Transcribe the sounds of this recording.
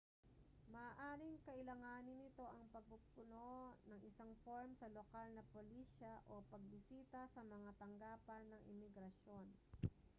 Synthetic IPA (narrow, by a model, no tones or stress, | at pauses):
mɐaʔaːɾɪŋkɐʔɪlɐŋaːnɪnːɪt̪o̞ʔɐŋpɐɡ̚pʊpʊnonɐŋʔɪsaŋfoɹmsɐlokalnɐpoliʃɐʔopɐɡ̚bɪsiːt̪ɐsɐmɐŋat̪ɐŋɡaːpɐnːɐŋʔɪ̰mɪɡɾɐʃo̞n